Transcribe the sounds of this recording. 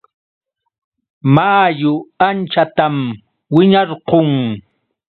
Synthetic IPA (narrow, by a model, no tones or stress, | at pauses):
majʊant͡ʃat̪am | wɪɲɑɾqoŋ